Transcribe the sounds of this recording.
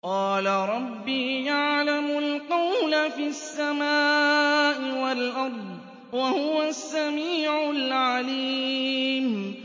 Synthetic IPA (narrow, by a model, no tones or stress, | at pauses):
qɑːlaɾˤɑbːiːjaʕlamʊlqɑwlafiːasːamaːʔɪwalʔɑɾˤd̪ˤ | wahʊwasːamiːʕʊlʕaliːm